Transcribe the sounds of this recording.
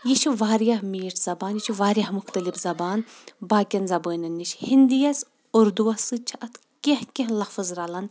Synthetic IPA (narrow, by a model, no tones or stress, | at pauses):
jit͡ʃʰiʋaːɾjɐhmiːʈʰz̥ɐbaːnjit͡ʃʰiʋaːɾʲjɐhmʊxt̪ɐlibzɐbaːnbaːkʲɐnzɐbəːnʲɐnːit͡ʃʰhind̪ijɐs | oɾd̪uwɐsɨt͡ʃʰiʔɐt̪ʰ | kʲẽhkʲẽɦlɐfɨzɾalɐn